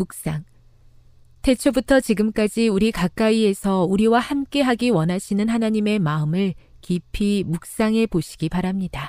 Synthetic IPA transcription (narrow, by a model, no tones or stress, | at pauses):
muk̚s͈aŋ | tʰe̞t͡ɕʰobutʰʌt͡ɕiɡɯmk͈ad͡ʑiuɾikak͈aie̞sʰʌuɾiwahamk͈e̞ɦaɡiwʌnɦaɕʰinɯnɦhanaɲime̞maɯmɯɭkipʰimuk̚s͈aŋe̞poɕʰi̥ɡipaɾamɲida